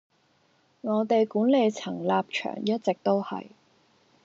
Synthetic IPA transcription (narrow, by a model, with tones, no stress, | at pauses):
ŋɔː˨˧t̪e˨jkuː˨˥nle˨˧jt͡sʰɐ˨˩ŋlaː˧p̚t͡ʃʰœ̰ː˨˩ŋjɐ˥t̚t͡sɪ˨k̚t̪o˥whɐ̰˨j